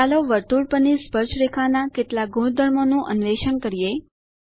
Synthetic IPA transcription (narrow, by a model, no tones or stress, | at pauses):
aloʋəɾt̪uɾpənispəɾt͡ʃʰɾekʰanakeʈlaɡʱuɳ̃d̪ʱəɾmonũʔənʋeʃənkəɾije